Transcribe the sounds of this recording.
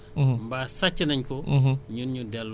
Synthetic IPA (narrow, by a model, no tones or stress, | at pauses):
mbaːsɐt͡ʃːɐnɐɲkɔɦɲunɲudɛl